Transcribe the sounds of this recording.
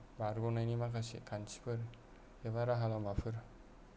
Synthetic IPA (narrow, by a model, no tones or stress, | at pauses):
baɾɡɔnajnimakʰasḛkʰansi̥pʰɯɾ | eβaɾaɦalamapʰɯɾ